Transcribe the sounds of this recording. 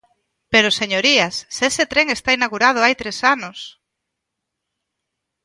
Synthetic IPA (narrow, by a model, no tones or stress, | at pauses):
peɾoseɲoɾiasːeset̪ɾeŋest̪ainaɣuɾað̞ʊajt̪ɾesanʊs